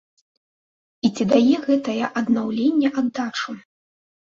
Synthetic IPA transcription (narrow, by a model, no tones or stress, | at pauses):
it͡sʲid̪ajɛɣɛt̪ɐjɐʔɐd̪nawlʲenʲːɛʔɐd̪ːat͡ʂu